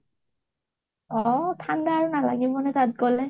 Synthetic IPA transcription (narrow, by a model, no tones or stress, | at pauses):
ɔtʰandaːɹunala̰ɡibɔnɛtat̚ɡɔlɛ